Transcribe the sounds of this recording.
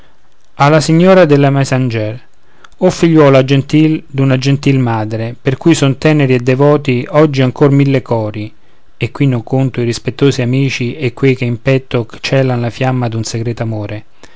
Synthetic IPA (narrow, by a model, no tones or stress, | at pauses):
alːasiɲːoːɾad̪elːamasand͡ʒɛr | ɔfːiʎːwɔːlad͡ʒent̪ild̪unad͡ʒent̪ilmaːd̪ɾeperkujsont̪ɛːneɾied̪ːɛvɔːt̪iɔd͡ʒːiaŋkormilːekɔːɾi | ekːwinːʊŋkont̪ʊiɾispet̪ːoːsiamiːt͡ʃiekwejk̟eimpɛt̪ːʊkt͡ʃɛːlanlafjamːad̪unseɡɾɛːt̪oamoːɾʔe